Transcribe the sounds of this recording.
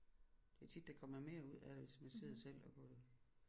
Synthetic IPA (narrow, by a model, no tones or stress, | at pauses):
d̥e̝æt͡sʰid̥ːekʰɒ̽m̰ɐme̝ːɐuð̞̰ˠædʋe̝smænse̝ð̞̰ˠɐsel̰ɒ̽ɡ̥ɔ̽ːðˠ